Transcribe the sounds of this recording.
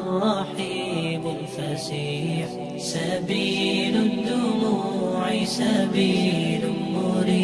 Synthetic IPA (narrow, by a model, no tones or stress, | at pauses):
ɑħiːbʊlfasiːħ | sabiːlʊd̪ʊmuʕisabiːlʊmʊɾi